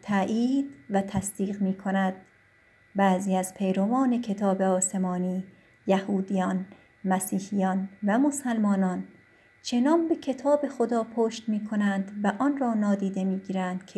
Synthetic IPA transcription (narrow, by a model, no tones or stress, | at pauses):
t̪ʰæʔiːd̪væt̪ʰæsd̪̥iːɣmiːkʰonæd̪̥ | bæːziːæz̥pʰejɾovɒːne̞kʰe̞t̪ʰɒːbe̞ɒːse̞mɒːniː | jæhuːd̪ijɒn | mæsiːhijɒːnvæmosælmɒːnɒːn | t͡ʃʰe̞nɒːnbe̞kʰe̞t̪ʰɒːbe̞xod̪ɒːpʰoːʃt̪miːkʰonænd̪væʔɒnrɒːnɒːd̪iːd̪e̞miːɡiːɾænd̪̥kʰe